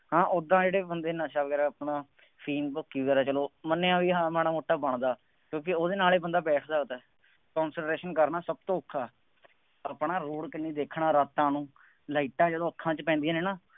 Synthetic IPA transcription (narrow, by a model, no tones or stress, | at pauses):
hãːʔʊd̪ãːd͡ʒeːɽeːbənd̪eːnaːʃaːbɡɛːɾɛːəpɳãː | fʰiːnpəkːiːʋɛːɾaːt͡ʃəloːmənːeːãːʋiːɦãːmɛːñaːmoːʈːaːbəɳd̪aː | kjõːk̬ɪoːd̪eːnaːleːbənd̪aːbɛːʈʰd̪aːɡt̪ɛː | kɔ̃ːnsəʈɾeːʃənkəɾnaːsəb̚t̪õːʊkʰːaː | aːpɳaːɾoːɽkɪnːiːd̪eːkʰɳaːɾaːt̪ːãːnũː | laːiːʈãːd͡ʒəːd̪õːəkʰːãːt͡ʃpɛ̃ːnd̪ijãːneːnaː